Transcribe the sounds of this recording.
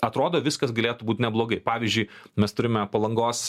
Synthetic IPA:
ɐt̪ɾoːd̪oːʋʲɪskɐsɡɐlʲeːt̪ʊbuːt̪nʲɛblˠoːɡɐɪpɑːʋʲiːzʲd͡ʒʲʊɪmʲɛst̪ʊɾʲɪmʲɛpɐlˠɐŋɡoːs

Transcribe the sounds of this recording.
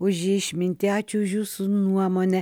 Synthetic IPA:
oʒiʃmĩnt̪eat͡ʃuʒusunũamɔnɛ

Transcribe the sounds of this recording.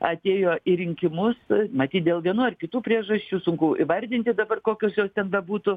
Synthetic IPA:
ɐt̪ʲeːjoːʔɪɾʲɪŋʲkʲɪmʊsmɐt̪ʲiːt̪̚d̪ʲeːlˠʋʲiɛnuːɐrkʲɪt̪uːpʲɾʲiɛʒɐsʲt͡ʃʲuːsʊŋkɐʊʔɪʋɐrʲd̪ʲɪnʲt̪ʲɪd̪ɐbɐrkoːkʲoːsjoːst̪ʲɛnbʲɛbuːt̪ʊ

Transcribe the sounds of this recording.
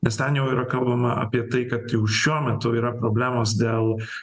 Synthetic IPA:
nʲɛst̪ʲɛnjɛʊiːɾɐkɐlˠbɐmɐʔɐ̰pʲiɛt̪ɐɪkɐt̪jɛʊʃʲuɔmʲɛt̪ʊiːɾɐpɾoːbʲlʲæːmoːs̬d̪ʲeːlˠ

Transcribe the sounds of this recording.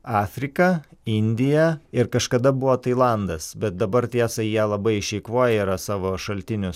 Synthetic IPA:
ɑːfʲɾʲɪkɐɪnʲd̪ʲɪjɛɪɾkɐʃkɐd̪ɐbʊʋoːt̪ɐɪlˠɐnd̪ɐsbʲɛt̪̚d̪ɐbɐɾt̪ʲiɛsɐjiɛlˠɐbɐɪɪʃʲiɪkʋuɔjɛiːɾɐsɑːʋoːʃɐlʲt̪ʲɪnʲʊs

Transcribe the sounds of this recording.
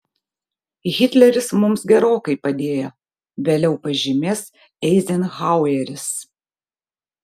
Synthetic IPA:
ɣʲɪt̪ʲlʲɛɾʲɪsmʊmsɡʲɛɾoːkɐɪpɐd̪ʲeːjo | ʋʲeːlʲɛʊpɐʒʲɪmʲeːs | ɛɪzʲɛnɣɑˑʊɛɾʲɪs

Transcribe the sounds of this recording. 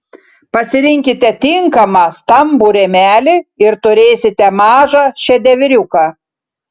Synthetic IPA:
pɐsʲɪɾʲɪŋʲkʲɪt̪ʲɛt̪ʲɪŋkɐmɑːst̪ɐmbuːɾʲɛmʲæːlʲɪɪɾt̪ʊɾʲeːsʲɪt̪ʲɛmɑːʒɑːʃʲɛd̪ʲɛʋʲɪɾʲʊkɑ

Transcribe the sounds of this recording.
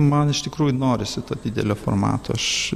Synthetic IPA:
mɐnɪʃt̪ʲɪkɾuːjʊnoːɾʲɪsʲɪt̪oːdʲid̪ʲɛ̰lʲoːfo̰rmɑ̰ːt̪o̰ɐʃ

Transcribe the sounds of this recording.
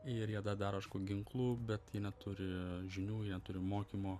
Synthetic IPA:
ɪɾjiɛd̪ɐd̪ɑːɾoʃkuɡʲɪŋklˠuːbʲɛt̪jinʲɛt̪ʊɾʲɪʒʲɪnʲuːjiːnʲɛt̪ʊɾʲɪmoːkʲiːmoː

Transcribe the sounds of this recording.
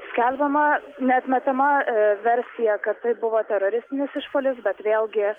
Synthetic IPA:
sʲkʲɛlʲbʲɛmɐnʲɛɐt̪ʲmʲɛt̪ɐmɐʋʲɛɾʲsʲɪjɛkɐt̪t̪ɐɪbʊʋoːt̪ʲɛɾoːɾʲɪsʲt̪ʲɪnʲɪsɪʃpoːlʲɪsbʲɛt̪ʋʲeːlˠɡʲɪ

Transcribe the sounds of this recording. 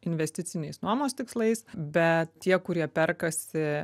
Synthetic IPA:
ɪnʲʋʲɛsʲt̪ʲɪt̪sʲɪnʲɛɪsnuɔmoːst̪ʲɪkslˠɐɪsbʲɛt̪t̪ʲiɛkʊɾʲiɛpʲɛɾkɐsʲɪ

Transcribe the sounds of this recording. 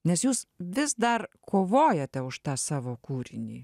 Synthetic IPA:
nʲɛsjuːsʋʲɪsd̪ɐrkoːʋoːjɛt̪ʲɛʊʃt̪ɑːsɑːʋoːkuːɾʲɪnʲḭː

